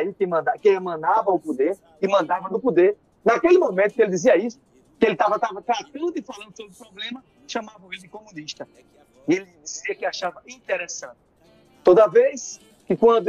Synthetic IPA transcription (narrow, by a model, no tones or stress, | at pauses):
ikɪmɐ̃d̪akɪemɐ̃d̪avɐʊpod̪eɾ | ɪmɐ̃nd̪avɐd̪ʊpod̪eɾ | nakelɪmõmẽnt̪ʊ̥kelɪd͡ʒ̪iziɐisʊ̥ | kɪelɪt̪avɐt̪avɐt̪ɾat̪ɐ̃d̪ʊɪfalɐ̃nd̪ʊsobɾɪʊpɾɔblẽmɐ | ʃɐ̃mavɐũĩmɪ̃komũniʃt̪ɐ | elɪd͡ʒ̪iziɐkɪaʃavɐʔĩt̪eɾesɐ̃t̪ɪ̥ | t̪od̪ɐvejs | kɪkwɐ̃nd̪ʊ